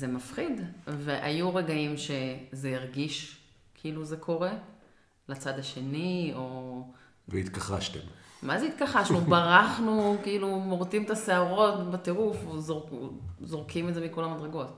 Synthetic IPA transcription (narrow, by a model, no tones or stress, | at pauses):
zemafχid̪veʔa̰juʁeɡaimʃe̞zeiʁɡiʃ | kʰiiluze̞kʰo̞ʁe̞ | lat͡sad̪aʃe̞nio̞ | veit̪kaχa̰ʃt̪ḛmmazeit̪kaχaʃnubaʁaχnukiilumoʁt͡simet̪aseaʁo̞t̪bat̪eʁufzozo̞ʁkʰimeze̞miko̞lamad̪ʁeɡo̞t̪